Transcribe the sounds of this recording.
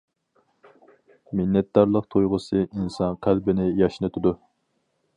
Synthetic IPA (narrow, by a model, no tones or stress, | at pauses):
mɪnːɛt̪̚d̪ɑɾlˠəq̚t̪ʰojʁʊsɨinsɑnqʰælbɪnɪjɑʃnɨt̪ʰud̪u